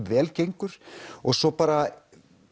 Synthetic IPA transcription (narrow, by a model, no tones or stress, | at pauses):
vɛːlcejŋkʏɾ̥ɔɣsɔpaːɾa